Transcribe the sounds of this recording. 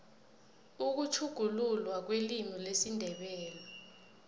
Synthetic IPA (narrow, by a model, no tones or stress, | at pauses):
uk̬ut͡ʃʰuɡ̥ʱululwak̬welimilesindʱɛɓɛːlɔ